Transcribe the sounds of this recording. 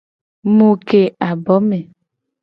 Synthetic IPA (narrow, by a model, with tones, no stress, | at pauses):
mo˨ke˨a˨bɔ˨˦me˨